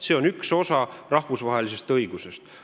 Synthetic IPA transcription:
se̞ːo̞nykso̞sɑrɑhvusvɑɦe̞lise̞st̪ɤjiɡ̥use̞st̪

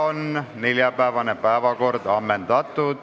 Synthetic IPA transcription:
onneljɑpæːʋɑnepæeʋɑkord̪ɑmːent̪ɑt̪ːuːt̪

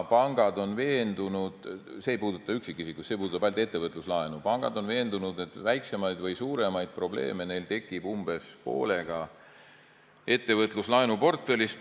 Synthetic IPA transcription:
pɑŋɡ̥ɑd̪o̞nve̞ːnd̪̥unud̪̥seːjpuːd̪ut̪ːˑɑyksikːˑisikːˑusse̞puːd̪ut̪ːɑpælt̪ˑe̞t̪ːe̞vɤt̪luslɑenupɑŋɡ̥ɑ̰d̪o̞nve̞ːnd̪unud̪̥e̞t̪ːˑvæjkse̞mɑjd̪vɤjsuːɾe̞mɑjd̪̥̚pro̞ble̞̰ːme̞ne̞jlt̪e̞kːˑibumb̥e̞spo̞̰ːle̞ɡ̥ɑ | e̞t̪ːe̞vɤt̪ˑluslɑenupo̞rt̪fe̞list̪

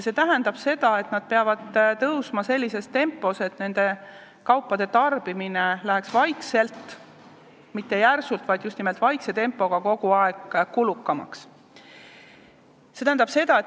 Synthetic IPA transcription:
se̞t̪æɦænd̪̥ɑb̥se̞d̪ɑe̞t̪nɑd̪̥̚pe̞ɑvɑd̪̥t̪ɤwsmɑse̞lʲːise̞st̪e̞mpːˑo̞se̞t̪ne̞nd̪̥e̞ | kɑwpːˑɑd̪̥e̞t̪ɑrb̥iminelæɦe̞ksvɑjkse̞lt̪ | mit̪ːe̞jærsult̪vɑjd̪̥just̪nime̞lt̪vɑjkse̞t̪e̞mpːˑo̞ɡ̥ɑko̞ɡ̥uɑe̞ɡ̥kulukːɑmɑ̰ks | se̞t̪æhænd̪ɑb̥se̞d̪̥ɑe

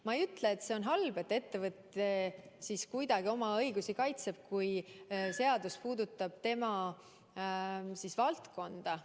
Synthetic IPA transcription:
mɑejyt̪ːˑleːt̪se̞o̞nɦɑlbe̞t̪ːˑe̞t̪ːe̞vɤt̪ːˑe̞ | siskujd̪̥ɑɡ̥io̞mɑɤjɡ̥usikɑjt̪se̞b̥̚kujse̞ɑd̪̥uspuːd̪ut̪ːˑɑb̥t̪e̞mɑ | sisvɑlt̪ko̞nd̪̥ɑ

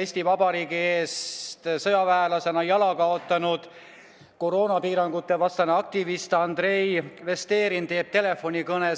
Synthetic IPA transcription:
eːsʲt̪ivɑbɑɾiːɡie̞ːst̪sɤjɑvæelɑse̞nɑjɑlɑkɑo̞t̪ːˑɑnud̪̥ | ko̞ɾo̞ːnɑpiːɾɑŋɡ̥ut̪ːˑe̞vɑst̪ɑneɑk̚t̪ivist̪ɑnd̪̥re̞jve̞st̪e̞ːɾint̪e̞ːb̥̚t̪e̞le̞fo̞nʲikɤne

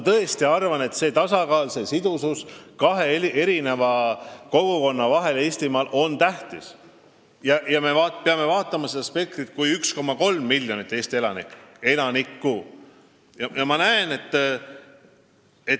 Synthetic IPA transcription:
mɑt̪ɤest̪iɑrvɑne̞t̪se̞ːt̪ɑsɑkɑːlse̞sid̪̥ususkɑɦe̞iʔe̞ɾine̞vɑko̞ɡ̥uko̞nːɑvɑɦe̞le̞ːst̪imɑːlʔo̞nt̪æht̪is | jɑʔjɑme̞vɑːpeɑme̞vɑːt̪ˑːɑmɑsed̪ɑspe̞k̚t̪ɾit̪̚kujyksko̞mɑko̞lmːiljonit̪ːˑe̞ːst̪ie̞lɑnike̞lɑnikːu | jɑjɑmɑnæene̞t̪ːˑ | e̞

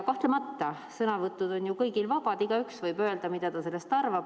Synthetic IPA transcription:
kɑht̪lemɑt̪ːɑ | sɤnɑvɤt̪ːˑud̪o̞njukɤjɡilvɑb̥ɑd̪̥iɡ̥ɑyksvɤjbø̞eld̪̥ɑmid̪̥ɑd̪̥ɑse̞lːe̞st̪ɑrvɑb̥

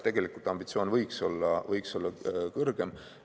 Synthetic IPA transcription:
t̪e̞ɡ̥elikˑult̪ɑmb̥it̪sioːnvɤjkso̞lːɑvɤjkso̞lːɑkɤrɡ̥e̞m

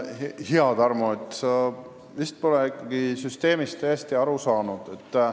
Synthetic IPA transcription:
hiɑd̪ɑrmuet̪ːˑɑ | vist̪̚po̞leikˑːɑɡ̥isyst̪e̞ːmist̪ːæjest̪iɑɾusɑːnud̪̥et̪ˑː

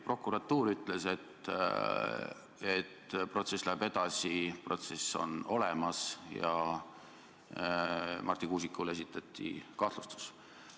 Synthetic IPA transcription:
pro̞kːuɾɑt̪ːˑuːɾyt̪ːˑle̞se̞t̪ | et̪ːpro̞t̪se̞sːlæebe̞d̪̥ɑsipro̞t̪se̞sːo̞̰no̞lemɑsjɑ̰ | mʔɑrt̪ikuːs̬ikːˑule̞sit̪ːˑɑt̪ʲːˑḭkɑht̪lust̪u̥s

